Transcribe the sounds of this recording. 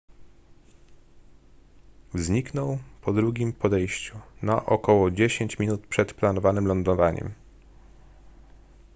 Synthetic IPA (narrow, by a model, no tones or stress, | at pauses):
vzɲiknɔwpɔd̪ɾuɡʲimpɔd̪ɛjɕt͡ɕunaʔɔkɔwɔd͡ʑeɕeɲt͡ɕmʲinut̪pʂɛt̪planɔvanɘmlɔnd̪ɔvaɲɛ̰m